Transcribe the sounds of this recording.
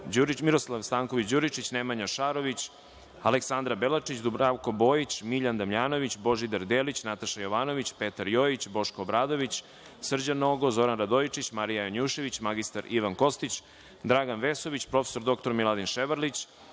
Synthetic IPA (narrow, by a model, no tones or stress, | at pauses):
d͡ʑuɾimiɾo̞slˠaʋst̪aːŋko̞ʋit͡ɕd͡ʑuɾit͡ʃit͡ɕnemaɲaʃaɾo̞ʋit͡ɕ | aleksand̪ɾabelˠat͡ʂit͡ɕd̪ubɾaʋko̞bo̞ːjit͡ɕmiʎand̪amʎaːno̞ʋit͡ɕbo̞ʒid̪aɾd̪eːlit͡ɕnat̪aʃajo̞ʋaːno̞ʋit͡ɕpe̞t̪aɾjoit͡ɕbo̞ʃkoːbɾaːd̪o̞ʋit͡ɕ | sr̩d͡ʑanoɡo̞zo̞ɾanɾad̪ojt͡ʂit͡ɕmaɾijajoɲuʃe̞ʋit͡ɕmaɡist̪aɾiʋanko̞st̪it͡ɕ | d̪ɾaɡanʋe̞so̞ʋit͡ɕpɾo̞feso̞ɾd̪o̞k̚t̪o̞ɾmilˠad̪inʃeʋəɾlit͡ɕ